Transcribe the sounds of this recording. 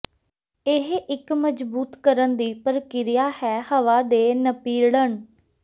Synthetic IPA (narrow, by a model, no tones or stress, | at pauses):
ɪɦɪkməd͡ʒbuːt̪kəɾənd̪iːpəɾkɪɾɪjaːhɛːhəʋaːd̪eːnəpiːɾɽəɳ